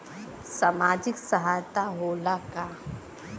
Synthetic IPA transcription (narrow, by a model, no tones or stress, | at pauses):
saːmaːd͡ʒɪksəɦaːjt̪aɦoːlaka